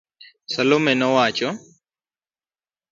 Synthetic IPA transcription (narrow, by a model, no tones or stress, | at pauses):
sɐlomɛnɔwaːt͡ʃɔ